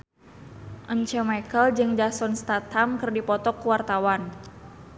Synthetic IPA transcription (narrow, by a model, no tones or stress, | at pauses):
ʔəɲt͡ʃəmajkəld͡ʒɨŋd͡ʒasɔnst̪at̪hamkɨrdipɔt̪ɔkuwart̪awan